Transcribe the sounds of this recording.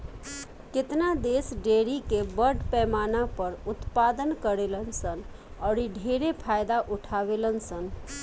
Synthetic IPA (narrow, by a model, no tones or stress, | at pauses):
kɪt̪nad̪esɖeɾikebəɾɖpɛmanapəɾut̪pad̪ənkəɾelənsən | ɔːɾiɖʱeɾepʰajd̪aʔuʈʰabelənsən